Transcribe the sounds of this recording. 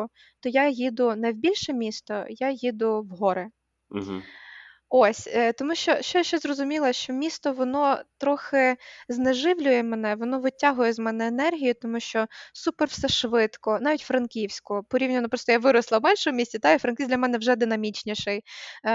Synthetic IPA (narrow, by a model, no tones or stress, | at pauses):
t̪ɔjajid̪ʊnɐjwbʲilʲʃɛmʲist̪ɔjajid̪ʊʋɦɔɾɪ | oɔsʲt̪ɔmuʃt͡ʃɔʃt͡ʃɔʃt͡ʃɔzrɔzʊmʲilˠɐʃt͡ʃɔmʲist̪ɔʋɔnɔt̪ɾɔxɪzneʒɪwlʲʊjɛmenɛʋɔnɔʋɪtʲaɦʊjɛzmɛnɛːnɛrɦʲijʊt̪ɔmuʃt͡ʃɔsupɛrwsɛʃʋɪt̪kɔnɑʋʲitʲfɾɐnkʲiwsʲkʊpɔɾʲiwnʲɐnɔpɾɔst̪ɔjaʋɪɾɔslˠɐwmɛnʃɔmʊmʲisʲt͡sʲɐt̪ɑifɾɐnkʲidlʲɐmɛnɛwʒɛd̪ɪnɐmʲit͡ʃnʲiʃɪj